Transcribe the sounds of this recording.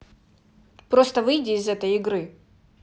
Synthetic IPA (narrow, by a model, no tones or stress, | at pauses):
pɾo̞st̪əvɨjdʲɪːzɛt̪əjɪɡɾɨ